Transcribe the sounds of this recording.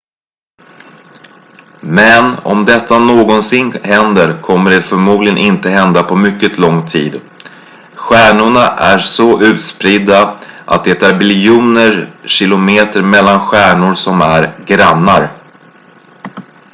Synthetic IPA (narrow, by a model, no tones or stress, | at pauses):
mɛnɔ̰md̪ɛt̪ːanoːɡɔnsɪnːhɛnd̪əɾkʰɔmːəɖɛfœɾmuːd̪lɪɡənʔɪnt̪əɦɛnd̪apʰɔmʏkːət̪ʰlɔŋːt̪ʰiːd̪ | ɧæːɳʊɳaʔæsɔʔʉ̟ːt̪spɾɪd̪ːaʔa̰t̪̚d̪ɛt̪ʰɑɾbɪljuːnəɾɕɪlʊmeːt̪əɾmɛlːanɧæːɳʊɾsɔmæɾɡɾanːaɾ